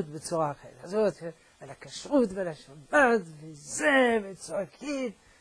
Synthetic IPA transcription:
t̪bət͡suʁaχɛ̰azot̪ | alhakaʃʁutvalaʃabatvizevet͡sakʰim

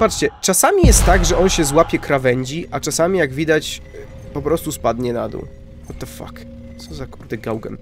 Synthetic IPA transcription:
pat͡ʂt͡ɕɛt͡ʂasamʲijɛst̪ːaɡʐɛʔɔnɕɛzwapʲɛkɾavɛɲd͡ʑiʔat͡ʂasamʲijaɡvʲid̪at͡ɕ | pɔpɾɔst̪uspad̪ɲɛnad̪ṵ | ɔt̪ɛfa̰k | t̪sɔzakuɾd̪ɨɡawɡɛ̰n

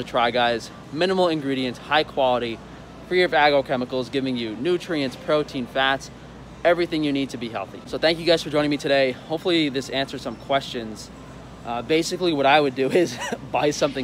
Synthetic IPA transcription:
ɨtʰɹ̥aɪɡaɪz | mɪ̃nəml̩ˠɨ̃nɡɹiɾiɨ̃nshaɪkʰw̥ɑlˠəɾi | fɹiɹʌvæɡoʊkʰɛməkl̩ˠzɡɪvɪ̃ŋjɨnʉt͡ʃʰɹ̥iɨ̃nspʰɹ̥oʊtʰĩnfæts | ɛvɹiθɪ̃ŋjɨnid̚tʰɨbiɦɛ̰lˠθḭsoʊθæ̃ŋkjɨɡaɪz̥fə˞d͡ʒɔ̃ɪ̃nɪ̃ŋmitʰɨɾeɪhoʊpfl̩ˠiðɪsæ̃nsə̥˞sʌ̃mkʰw̥ɛst͡ʃɨ̃nz̥ | beɪsɨkliwʌɾaɪwɨdɨɪzbaɪsʌ̃mθɪ̃

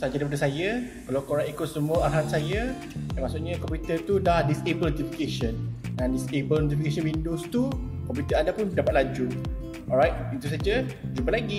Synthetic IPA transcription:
sad͡ʒadɾaɾipadasajakalawkoɾaŋikʊt̪̚səmũəarɦat̪̚saja | damasʊʔɲə̃kɔmpjut̪ət̪udahdisebəlnot̪ifikeʃə̃nãndisebəlnot̪̬ifikesə̃nbindust̪ukɔmpjut̪əandapʊndapat̪̚lad͡ʒu | ɔɾajt̪̚it̪us̬ad͡ʒad͡ʒubəlaɡi

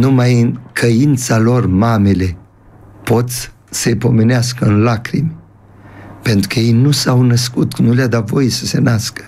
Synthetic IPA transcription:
numajɨnkʰəint̪salo̞rmamele̞ | po̞t̪s | sepo̞me̞neas̬kəɨnlakɾim | pe̞nt̪ɾukəje̞jnusawnəskut̪nulejad̪at̪vo̞jesə̥se̞naskə̥

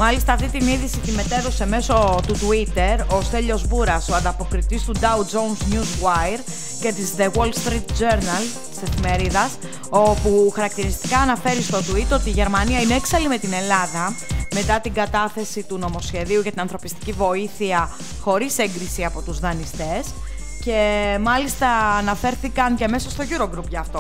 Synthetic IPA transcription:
mɐlist̪ɐːft̪it̪iniðisit̪ime̞t̪e̞ɾo̞se̞me̞so̞t̪ut̪uit̪e̞ɾo̞st̪eʎo̞zbuɾɐsoɐnd̪ɐpo̞kɾit̪ist̪ud̪ɐud͡zo̞unzɲuzwajɾ | ce̞t̪izðewolst̪ɾit̪̚d͡ʒo̞ɾnɐlt̪i̥se̞fime̞ɾiðɐs | opuxɐɾɐk̚t̪iɾist̪i̥kɐːnɐfe̞ɾist̪o̞d̪uit̪o̞t̪iːʝe̞ɾmɐniɐineeksɐlime̞t̪ine̞lɐðɐme̞t̪ɐt̪iɡɐt̪ɐθe̞sit̪uno̞mo̞sçe̞ðiuʝɐt̪inɐnθɾo̞pist̪icivo̞iθiɐ | xo̞ɾiseŋɡɾisiɐpo̞t̪uzðɐnist̪e̞s | ce̞mɐlist̪ɐːnɐfe̞ɾθikɐnceme̞sost̪o̞ʝuɾo̞ɡɾupʝɐːft̪o̞

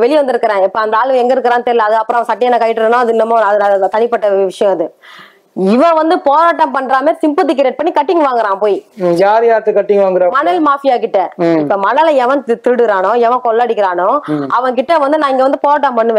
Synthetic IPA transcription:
ʋɛɭɪjʋɐnd̪ɯɾɯkːɐɾẽːɪpːoɐnd̪ɐaːɭʋɯɛŋɡɐɪɾɯkːɾãːnt̪ɛɾɪlɐɐðɯɐpːɯɾɔ̃ɐʋɐ̃sɐʈːɪjɐnːãːkɐjɪʈːɯɾɐnõːɐðɯɪnːɐmaɐðɯɐðɯt̪ɐnɪpɐʈːɐʋɪʂɐjɔ̃ɪðɯ | ɪʋɐ̃ʋɐnd̪ɯpoːɾaːʈːɐmpɐɳɾaːmeːsɪmpot̪̬ːɪkːɪɾeːʈ̚pɐɳːikɐʈːɪŋɡɐʋaːŋɡɐɾãːpoːjijaːɾjaːɾt̪ːɯkɐʈːɪŋɡɐʋaːŋɡɪɾãmɐnɐlmaːfɪjaːkɪʈːɐɪpːɐmɐnɐlɐɛʋɐ̃t̪t̪ɪɯɽɯɾaːnʊ̃ɛʋɐ̃kɔlːaːɽɪkːɪɾaːnʊ̃ɐʋɐ̃ŋkɪʈːɐʋɐnd̪ɯnãːɪŋɡɐʋɐnd̪ɯpoːɾaːʈ̬ːɐ̃mpɐɳːɯʋẽː

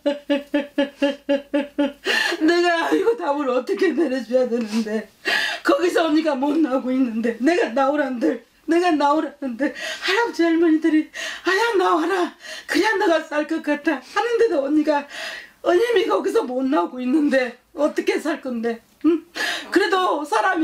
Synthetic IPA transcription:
ne̞ɡaːiɡotamɯɾoʌt͈ʌkʰe̞neɾjʌd͡ʑujade̞nɯnde̞kʌɡis̬ʰʌʌɲik͈amonːaɡoinːɯnde̞ne̞ɡanaoɾɦandɯɭ | ne̞ɡanaoɾɦanɯnde̞haɾak̚t͡ɕeɭmʌɲidɯɾiajak̚naoɦaɾakɯɾiandaɡas͈aɭk͈ʌk͈at̚t͈ʰahanɯnde̞doʌɲik͈aʌɲimikʌɡis̬ʰʌmonːauɡoinːɯnde̞ | ʌt͈ʌkʰe̞sʰaɭk͈ʌnde̞ | kɯɾe̞dosʰaɾam

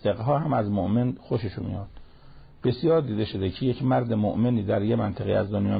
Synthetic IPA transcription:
seɣɦɒːɦæmæzmoʔme̞nxoʃeʃumḭjɒːd̪̥ | b̥e̞sijɒːɾd̪iːd̪e̞ʃod̪ecʰeje̞cʰmæɾd̪emoʔmeniːd̪æɾjemænt̪ʰeɣḛːæzd̪onjɒ̰ː

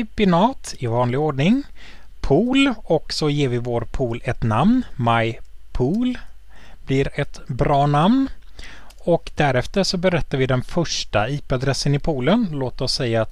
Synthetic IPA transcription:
bɪnɑːt̪ɪvɑːnlɪɡoːɖɳɪŋpʰuːlɔksɔjeːɾvɪvoːɾpʰuːlɛt̪namnmajpʰuːl | b̥lɪɾɛt̪bɾɑːnamn | ɔkd̪æɾɛft̪əʂɔbɛɾɛt̪ːaɾvɪd̪ɛnfœʂʈaiːpad̪ɾɛsːənɪpʰuːlənloːt̪ɔsːɛjːa

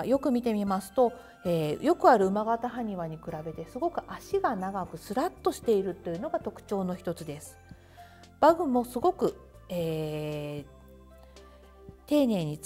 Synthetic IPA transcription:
jo̞kɯ̟mʲit̪e̞mʲimasɨ̥t̪o̞ | eːjo̞kɯ̟aɾɯ̟ɯ̟maɡat̪aɦaɲ̟iβaɲ̟ikɯ̟ɾabe̞t̪e̞sɨɡo̞kɯ̟ʔaɕiɡanaɡakɯ̟sɨɾat̪ːo̞ɕi̥t̪e̞iɾɯ̟t̪ːo̞jɯ̟no̞ɡat̪o̞kɯ̟̥t͡ɕo̞ːno̞çi̥t̪ot͡sɨd̪e̞sɨ̥ | b̥aɡɯ̟mo̞sɨɡo̞kɯ̟ | eː | t̪e̞ːne̞ːɲ̟i

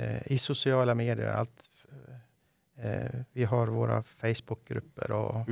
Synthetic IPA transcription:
ɪsʊsɪɑːlameːd̪ɪə̰ɾʔa̰lt̪ | vɪɦaɾvoːɾa̰fɛɪsbʊk̚ɡɾʉpːə̰ɾʔɔ

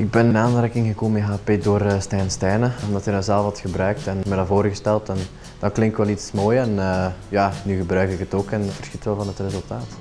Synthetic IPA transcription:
ɪɡ̚bɛnənaːnrɛkɪŋɣəkoːməəɦaːpeːdoːrstɛːnstɛːnəɔmdɑtɛnəzɛlˠəfɑtxəbrœːk̚tɛnmɛdavoːɾəɣəstɛlˠtɛn | dɑklɪŋktʋɛlˠitsmoːjɛnəːjaːnyɣəbrœɥkɪkətoːkɛnvərsxitʋɛlˠvɑnətrezɵlˠtaːt

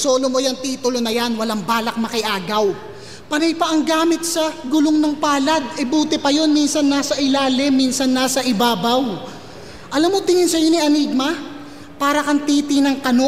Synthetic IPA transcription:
so̞ːlomo̞jɐŋt̪iːt̪ʊlo̞nɐjanwɐlaŋbaːlɐk̚mɐkɪʔaːɡɐw | pɐnɐjpɐʔɐŋɡaːmɪt̪̚sɐɡʊloŋnoŋpaːlɐd̪̚ʔɛbuːt̪ɛpɐjo̞nminsɐnːaːsɐʔɪlaːlɪmːinsɐnːaːsɐʔɪbaːbɐw | ʔɐlamːot̪ɪŋɪnsɐjo̞niɐniːɡ̚mɐ | paːɾɐkɐnt̪iːt̪ɪnɐŋkɐno

